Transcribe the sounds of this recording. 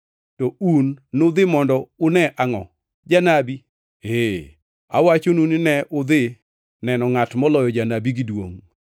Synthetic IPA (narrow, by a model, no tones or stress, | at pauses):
tɔunːʊd̪ɪmɔndɔʊnɛʔaŋɔ̰ | d͡ʒanabi | e | a̰wat͡ʃonunɪnɛʔʊd̪ɪ | nɛnɔŋatmɔlɔjɔd͡ʒanabiɡɪdwo̰ŋ